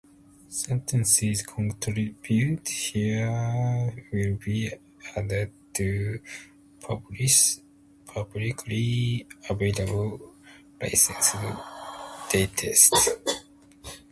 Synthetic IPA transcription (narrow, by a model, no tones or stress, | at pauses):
sɛ̃nt̪ʰẽnsizkʰɔ̃ntʰɾibjuthi | wilbi | ad̪ədt̪ʰu | pʰʌbliʃ | pʰʌblikʰliaveɪlabəl | la̰ɪsẽns | d̪̥et̪ʰest